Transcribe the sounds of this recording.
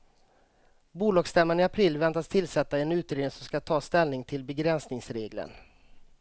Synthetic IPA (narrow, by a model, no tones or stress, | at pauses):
buːlɑːɡst̪ɛmːanɪapʰɾɪlːvɛnt̪ast̪ʰɪlsɛt̪ːaɛnʉ̟ːt̪ɾeːd̪ɪŋsɔmskat̪ʰɑːst̪ɛlnɪŋt̪ʰɪlbɛɡɾɛnsnɪŋsɾeːɡlə̰n